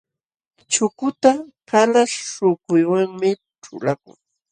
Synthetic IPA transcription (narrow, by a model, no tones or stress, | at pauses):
t͡ʃʊkʊt̪akalaʃʂʊkʊjwaŋmɪ | ʈ͡ʂʊ̰lakʊ̰ŋ